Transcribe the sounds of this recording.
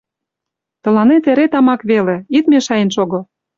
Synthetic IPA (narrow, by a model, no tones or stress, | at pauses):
t̪ɤ̆lɑnet̪eɾet̪ɑmɑkβelĕit̪meʃɑjĕnʃoɣɤ̆